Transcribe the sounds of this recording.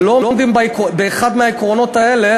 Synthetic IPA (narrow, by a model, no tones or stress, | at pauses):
lolomd̪imbikbeːχad̪meaikʁo̞no̞t̪ae̞le